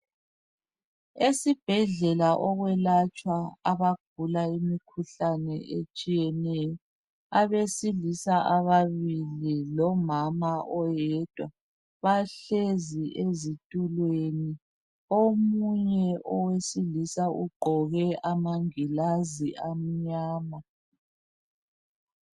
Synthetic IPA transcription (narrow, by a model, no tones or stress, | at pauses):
esib̥ʱɛɮɛlaʔɔɣwɛlat͡ʃʼwaaβaɡ̥̚ʱulaimikʰuɬanɛʔet͡ʃʼijɛnɛjɔ | aβesilisaʔaβaβililɔmamaʔɔjɛd̥ʱwa | βaɬeziʔezitʼulweni | omuɲɛʔɔwesilisauɡ͡ǃʱɔɣɛʔamaŋilaziam̩ɲaːma